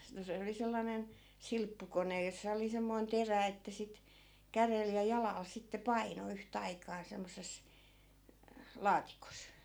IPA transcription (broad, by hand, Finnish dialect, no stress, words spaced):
no se oli selːɑnen silpːukonej josːɑ oli semːoi̯n teræ etːæ sit kærel jɑ jɑlɑˑl sitːe pɑino yht ɑikɑː semːosˑes lɑːtikos